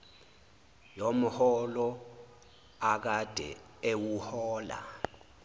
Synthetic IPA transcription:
jom̩hɔlɔ | ak̬ad̥ʱɛ̰ | ewuhɔːla̰

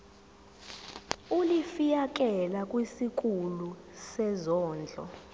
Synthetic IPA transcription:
ulifijak̬ɛlakʼwisik̬ʼulu | sɛzɔːnd͡ɮʱɔ̰

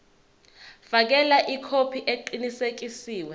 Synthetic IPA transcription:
fak̬ɛlaʔikʰopʰiʔeǃinisek̬isiːwɛ

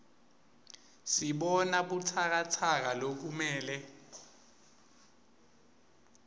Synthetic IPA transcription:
siɓɔnaɓutʰak̬atʰak̬alok̬umɛːlɛ

